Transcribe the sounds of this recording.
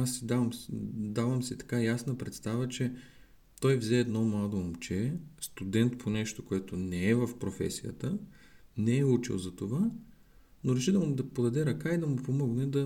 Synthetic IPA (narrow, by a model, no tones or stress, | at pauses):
asːid̪avəmd̪avɐmsit̪ɐ̥kajasnəpɾɛt̪st̪avət͡ʃɛ | t̪ɔjvzɛːd̪nɔmlˠad̪oːmt͡ʃɛst̪ud̪ɛnt̪pʰonɛʃt̪okoɛt̪onɛɛvɐfpɾofɛ̰sijə̰t̪ənɛɛut͡ʃɛ̰lˠzɐt̪ova | noɾɛʃid̪ɐmʊd̪ɐpod̪ɐd̪ɛɾɐkaid̪ɐmʊpomɔɡnɛd̪ɐ